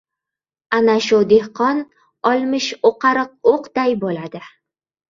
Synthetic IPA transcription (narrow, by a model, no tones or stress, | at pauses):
anaʃʊd̪ehqʰɒn | ɒlˠmɪʃoqʰɑɾɨq̚oqd̪̥ajbolad̪ɪ